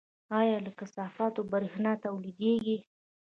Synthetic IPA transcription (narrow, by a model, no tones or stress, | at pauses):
ɑjɑləkasɑfɑt̪obaɾhnɑt̪awlid̪eɡi